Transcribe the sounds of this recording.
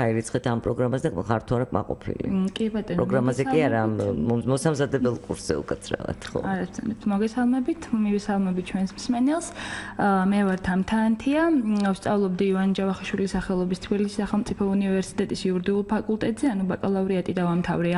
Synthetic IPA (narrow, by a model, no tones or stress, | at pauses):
aiɾit̪sʰχɛt̪ʰampʼɾɔɡɾamazɛd̪akχaɾt̪ʰuaɾakʼma̰qʼɔ̰pʰḭlḭkʼibat̪ʼɔnɾɔɡɾamazɛkʼiaɾammɔsamzad̪ɛbɛlˠkʼuɾsz̥ɛ̰ṵkʼɛt̪sʰɾa̰va̰t̪ʰχɔ̰aɾast̪sɛnɛp̚t̪ʰmɔɡɛsalˠmɛbit̪ʰmivɛsalˠmɛbit̪̚ʰt͡ʃʰwɛnsmsmɛnɛlˠs | mɛvaɾt̪ʰamt̪ʰaːnt̪ʰiafst̪sʼavlˠɔbd̪iivand͡ʒavaχaʃwilisaχɛlˠɔbist̪ʰbilisi̥saχɛlˠmt̪sʼipʰɔunivɛɾsi̥t̪ʼɛt̪ʼisiuɾd̪iulˠpʰakʼulˠt̪ʼɛt̪ʼzɛanubakʼalˠavɾiat̪ʼid̪avamt̪ʰavɾɛa